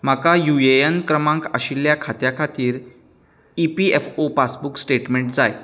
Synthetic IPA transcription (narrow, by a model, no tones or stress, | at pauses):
m̤akajueənkɾəmãŋkəɕiljakʰat̪jakʰat̪iːɾ | ipiefopasbuksʈeʈmeɳʈd͡zaj